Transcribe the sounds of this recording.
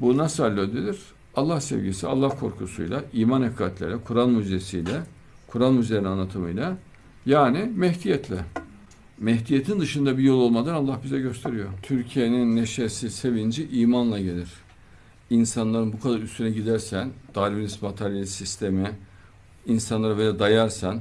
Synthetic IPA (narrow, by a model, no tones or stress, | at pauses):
bunasalʲːød̪elʲiɾ̥ | alˠːahsḛvɟisia̰lˠːahkʰo̞ɾkʰusṵjlˠaiːmanekʰaːt̪ʰlʲḛɾlʲɛkʰuɾalˠmyzesijlʲɛ | kʰuɾalˠmyzeɾinanlːˠat̪ʰɯmɯjlʲˠa | jaːnimɛht̪ijɛt̪ʰlʲɛ | mɛɦt̪ijet̪ʰind̪ɯʃɯnd̪abijo̞lˠo̞lˠmad̪analˠːahbizɛɟø̞st̪ʰe̞ɾijo̞ɾt̪ʰyɾcʰijeninːeʃesise̞vind͡ʒiʔiːmanlˠaɟe̞lʲiɾ̥ | insanlˠaɾɯnbukʰad̪aɾyst̪ʰynɛɟid̪æɾsænd̪̥aɾvinismat̪ʰeɾjelʲisist̪ʰe̞mi | insanlˠaɾabelʲad̪ajaɾsan